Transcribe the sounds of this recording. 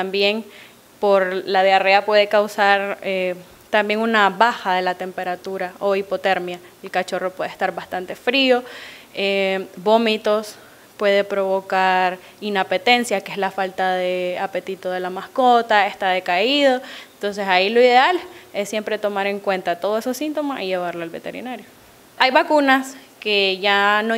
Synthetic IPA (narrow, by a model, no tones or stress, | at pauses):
t̪ambje̞ŋ | po̞ɾlað̞eare̞apwe̞ðe̞kawsaɾe | t̪ambje̞ŋunaβaxaðe̞lat̪e̞mpe̞ɾat̪uɾao̞ipo̞t̪e̞ɾmja | elkat͡ʃo̞ro̞pwe̞ðest̪aɾbast̪ant̪e̞fɾio̞ebo̞mit̪o̞s | pwe̞ð̞e̞pɾo̞βo̞kaɾ | inape̞t̪e̞nsjakeezlafalt̪aðeape̞t̪it̪o̞ðe̞lamasko̞t̪aest̪aðe̞kaiðo̞ent̪o̞ns̬e̞sailo̞iðe̞ale̞sːje̞mpɾe̞t̪o̞maɾe̞ŋkwe̞nt̪at̪o̞ð̞oesosint̪o̞masiʝe̞βaɾloalβe̞t̪e̞̰ɾḭnaɾjo | ajβakunaske̞ʝano